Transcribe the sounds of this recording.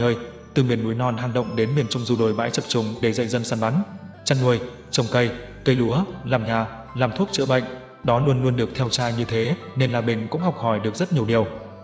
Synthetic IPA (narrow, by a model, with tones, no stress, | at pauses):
əː˧j | t̪ɨ˨˩mi˨˩ənmu˨˦jnɔ˧nɦa˨˩ŋ̟ɗə̰˧˨wŋ͡mɗe˨˦nmi˨˩ənt͡ɕʊ˧wŋ͡mzu˧˩ɗo˨˩jɓa̰ː˧˥jt͡ɕə˨˩p̚t͡ɕʊ˨˩ŋ͡mɗe˧˩zə̰˧˨jzə˧nsaː˧nɓa˨˦nt͡ɕa˧nŋu˨˩əj | t͡ɕə˨˩wŋ͡mkə˧jkə˧jɗu˨˦əlaː˨˩mɲaː˨˩ | laː˨˩mt̪ʰu˦˥t̚t͡ɕɨ̰˧˨ɓə̰˧˨ŋ̟ | ɗɔ˨˦lu˧ənlu˧ənɗɨ˨˩ək̚t̪ʰɛ˧wt͡ɕaː˧ɲɨ˧t̪ʰe˨˦ne˧nlaː˨˩ɓï˨˩ŋ̟kʊ̰˧˥ŋ͡mhɔ˨˩wk͡p̚hɔ˧˩jɗɨ˨˩ək̚z̥ə˦˥t̚ɲi˨˩əwɗi˨˩əw